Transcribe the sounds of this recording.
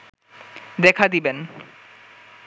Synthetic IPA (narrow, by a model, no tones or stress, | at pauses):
d̪ɛkʰad̪iben